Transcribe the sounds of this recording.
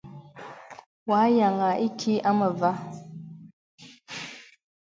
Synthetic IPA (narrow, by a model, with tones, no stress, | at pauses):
wa˨˦ja˨ŋa˨ʔi˦tʰi˦ʔa˦mə˨va˦